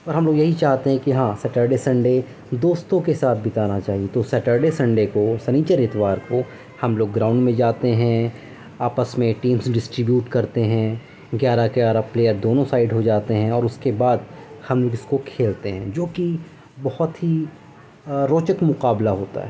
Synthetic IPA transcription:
ɔːɾɦɐmloːɡjɐɦit͡ʃaːɦt̪eɦɛ̃kiɦãːsɛʈəːɾɖesɐ̃ɳɖe | d̪oːst̪õkesaːt̪ʰbɪt̪aːnat͡ʃaːɦiet̪osɛʈəɾɖesɐ̃ɳɖekosɐniːt͡ʃəɾɪt̪ʋaːɾko | hɐmloːɡːɾãːʊ̃ɳɖmẽd͡ʒaːt̪eɦɛ̃ | aːpəsmẽʈiːmsɖɪsʈɾɪbjuːʈkɐɾt̪eɦɛ̃ | ɡjaːɾakeaːɾapleːəɾd̪oːnõsaːɪɖɦod͡ʒaːt̪eɦɛ̃ɔːɾʊskebaːd̪hɐmloːɡɪskokʰeːlt̪eɦɛ̃d͡ʒoːki | bɐhʊt̪ɦi | ɾoːt͡ʃəkmʊqaːblaɦoːt̪a̰ɦɛ̰ː

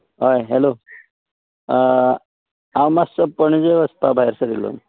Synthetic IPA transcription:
ɦojɦelo | awmasəpəɳ̃d͡zeʋəspabʱajɾsəd̪ilːo̰n

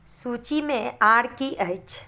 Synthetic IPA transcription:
suːt͡ʃimẽaːɽkiʔəɪt͡ʃ

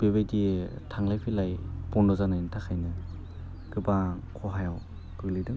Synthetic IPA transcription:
b̥eβejditʰaŋlajpʰilajpɔndɔzanajntʰakʰajnɯ | ɡ̥ɯbakʰɔɦajaw | b̥ɯɡlidɯŋ

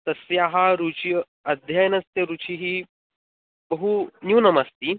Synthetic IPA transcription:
t̪ɐsjaɦaɾut͡ɕi | ɐd̪ʱjajnɐst̪jɐɾut͡ɕʰiɦiː | bəɦunuːnɐməst̪iː

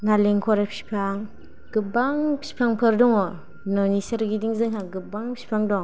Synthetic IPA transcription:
ŋaleŋkʰɔɾapsi̥pʰaŋ | ɡ̥ɯbaŋpʰi̥pʰaŋpʰɯɾdɔŋɔ | nɔnisaɾɡidiŋzɯŋɦaɡɯbaŋpi̥pʰaŋdɔŋ

